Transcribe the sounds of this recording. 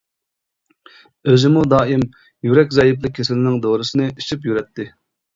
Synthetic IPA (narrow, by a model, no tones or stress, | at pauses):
øzɪmud̪ɑːim | jyɾɛkʲzɑjiplˠɪkʲʰːesɪlɪnɪŋd̪oɾɨsɨnɨiʃipjyɾɛt̪ʰːɪ